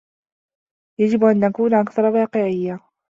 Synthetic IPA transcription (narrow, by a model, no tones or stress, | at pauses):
jad͡ʒɪbʔanːakuːnʔakθɑɾˤɑwɑːqɪʕɪjːa